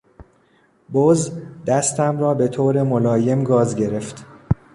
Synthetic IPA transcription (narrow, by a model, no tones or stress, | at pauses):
bozd̪æst̪æmɾɒːbe̞t̪ʰoːɾe̞molɒːje̞mɡɒːzɟe̞ɾe̞ft̪